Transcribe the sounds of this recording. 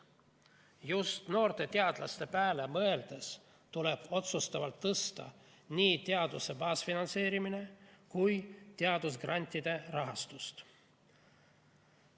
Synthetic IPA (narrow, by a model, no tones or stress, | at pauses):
just̪no̞ːrt̪e̞t̪e̞ɑd̪̥lɑst̪e̞pæːle̞mɤ̞e̞ld̪̥e̞s | t̪ule̞b̥o̞t̪sust̪ɑvɑlt̪ːɤst̪ɑ̰ | niːt̪e̞ɑd̪use̞bɑːsfinɑnse̞ːɾimine̞kujt̪eɑd̪̥us̬ɡrʔɑnʲt̪ʲːˑid̪̥e̞rɑɦɑst̪ust̪